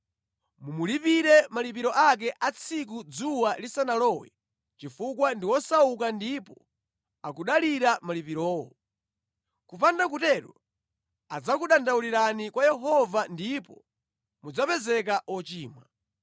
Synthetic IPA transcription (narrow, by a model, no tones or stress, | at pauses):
mumulipiɾɛmalip̬iɾɔʔak̬ɛʔat͡sʰikud͡zuwalisanalɔwɛ̰ | t͡ʃifukwandiwɔsaukandipɔ | akuɗaliɾamalipiɾɔːwɔ | kupandak̬utɛɾɔ | ad͡zakuɗandauliɾanikwajɛɦɔvandipɔ | mud͡zapɛzɛk̬aʔɔt͡ʃiːmwa